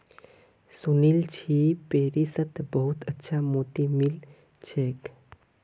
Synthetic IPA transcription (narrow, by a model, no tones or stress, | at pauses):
sunilt͡ɕʰipeɾisət̪bəɦut̪ətːʃʰamot̪imil | t͡ʃʰek